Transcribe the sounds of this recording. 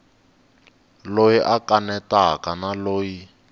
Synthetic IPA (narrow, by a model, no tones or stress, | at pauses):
lojiʔakanɛtakanaloːji